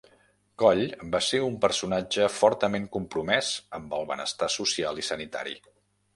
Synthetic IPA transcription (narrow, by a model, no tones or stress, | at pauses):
kɔʎbaseumpəɾsunad͡ʒəfɔɾt̪əmeŋkumpɾumɛzəmbəlˠβə̰nə̰st̪asusialˠisənit̪a̰ɾḭ